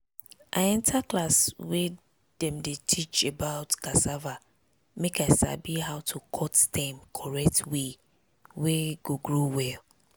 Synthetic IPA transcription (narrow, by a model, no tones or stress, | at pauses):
ʔa̰ɪɛ̃ntʰaklaswe | dɛ̃mdetʰit͡ʃebaʊtkasava | mekaɪsa̰biɦaʊtʰukʰɔtdɛ̃mkʰɔɹɛk̚twe | weɡoɡɹowɛl